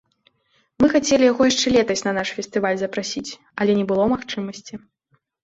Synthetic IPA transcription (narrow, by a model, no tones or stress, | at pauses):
mɨxat͡sʲɛlʲijaɣɔjaʂt͡ʂɛlʲɛt̪ɐsʲnɐnaʂfʲɛst̪ɨvalʲzɐpɾasʲit͡sʲ | ɐlʲɛnʲɛbɨlˠɔmaxt͡ʂɨmɐsʲt͡sʲi